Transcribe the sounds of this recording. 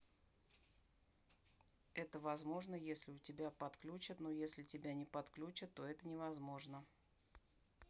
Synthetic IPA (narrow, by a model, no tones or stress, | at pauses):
ɛt̪əvɐzmo̞ʐnəjesʲlʲɪʊtʲɪbʲapɐt̪klʲut͡ɕɪt̪no̞jesʲlʲɪtʲɪbʲanʲɪpɐt̪klʲut͡ɕət̪ːo̞ɛt̪ənʲɪvɐzmo̞ʐnə